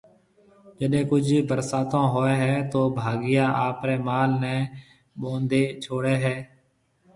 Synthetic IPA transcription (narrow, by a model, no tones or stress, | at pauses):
d͡ʒəɗẽːkʊd͡ʒʱiːbəɾsaːt̪ãːɦoːeːɦɛːt̪oːbʱaːɡɪjaːʔaːpɾɛːmaːlnɛ̃ː | ɓõːnd̪eːt͡ʃʰoːɽeːɦɛː